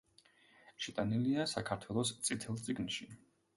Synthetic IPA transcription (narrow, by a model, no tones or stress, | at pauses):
ʃɛt̪ʼaniliasakʰaɾt̪ʰwɛlˠɔst̪sʼit̪ʰɛlˠt̪sʼiɡnʃi